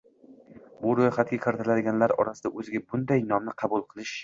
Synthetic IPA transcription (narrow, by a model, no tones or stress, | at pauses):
bʊɾojχat̪̚ɡʲakʲʰɨɾt̪ʰɪlad̪ɪɡʲanlaɾɒ̰ɾasɪd̪aʔɵzɪɡʲabʊnd̪ajnɒmnɪqʰɑbʊlˠqʰɨlˠɪʃ